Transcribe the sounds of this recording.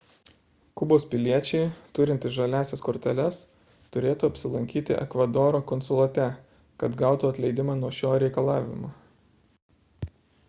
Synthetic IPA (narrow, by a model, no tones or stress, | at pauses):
kʊboːspʲɪlʲiɛt͡ʃʲɛɪt̪ʊɾʲɪnʲt̪ʲɪsʒɐlʲæːsʲɛskɔːɾʲt̪ʲɛlʲɛs | t̪ʊɾʲeːt̪uːɐpʲsʲɪlˠɐŋʲkʲiːt̪ʲɪ̰ʔɛ̰kʋɐd̪oːɾoːkɔnsʊlˠɐt̪ʲɛ | kɐt̪ɡɑˑʊt̪uːɐt̪ʲlʲɛɪd̪ʲɪmɑːnuɔʃʲoːɾʲɛɪkɐlˠɑːʋʲɪ̰mo̰ː